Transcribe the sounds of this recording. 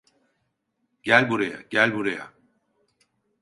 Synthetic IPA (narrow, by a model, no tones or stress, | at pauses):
ɟ̥ælʲbuɾaja̰ɟælʲbuɾaja̰